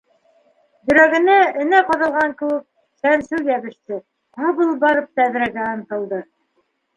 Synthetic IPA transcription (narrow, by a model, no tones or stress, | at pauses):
jɵ̆ɾæɡɘ̆næɘ̆næqɤ̆ðɤ̆lˠʁɑŋkɘwɘk̚ | sænsʉw̪jæβɘ̆ʃt̪ɘ | ɑβɤlˠbɑɾɤp̚t̪æðɾæɡæŏnt̪ɤ̆lˠd̪ɤ